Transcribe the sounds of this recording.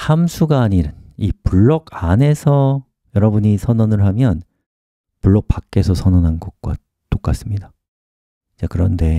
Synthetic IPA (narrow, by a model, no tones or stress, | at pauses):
hamsʰuɡaːɲiɾɯnipuɭːʌɡane̞sʰʌ | jʌɾʌbuɲisʰʌnʌnɯɭɦamjʌn | puɭːʌk̚p͈ak͈̚e̞sʰʌsʰʌnʌnɦanɡʌk̚k͈wa̰ | t͈ok͈as͈ɯmɲida | it͡ɕekɯɾʌnde̞